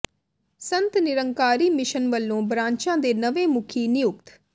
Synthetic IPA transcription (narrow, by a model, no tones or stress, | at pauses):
sənt̪nɪɾəŋkaːɾiːmɪʃənʋəlːõːbɾãːɲt͡ʃãːd̪eːnəʋeːmʊkʰiːnɪjʊk̚t̪